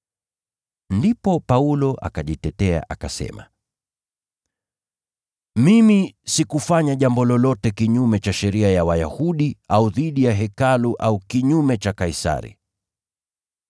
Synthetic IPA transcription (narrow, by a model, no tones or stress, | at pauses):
ndipɔpaulɔʔa̰kaʄitɛtɛa̰ʔakasɛ̰ma̰ | mimisikufaɲaʄambɔlɔlɔtɛkiɲumɛt͡ʃaʃɛɾiajawajahuɗiauðiɗijaɦɛkaluʔaukiɲumɛt͡ʃakaisa̰ɾḭ